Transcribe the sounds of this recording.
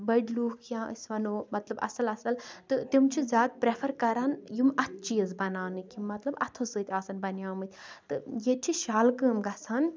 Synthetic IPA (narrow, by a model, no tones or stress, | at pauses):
bɐɖluːkʰjãːɨ̰sʲʋɐnoːmɐt̪lɐbɐ̰sɐlɐsɐlt̪ɨt̪imt͡ʃʰizʲjaːd̪̚pɾepʰɐɾkɐɾaːnjumɐt̪̚ʰt͡ʃiːɐzbɐnaːnɨkʲimːɐt̪lɐbɐt̪ʰosɨt̪ʲaːsɐnbɐnjaːmɨt̪ʲt̪ɨjet͡ʃʰiʃaːlkɨːmɡɐsʰan